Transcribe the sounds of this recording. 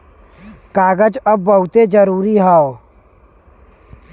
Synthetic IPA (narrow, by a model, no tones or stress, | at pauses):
kaːɡəd͡ʒəbːəɦʊt̪ed͡ʒəɾuːɾiɦao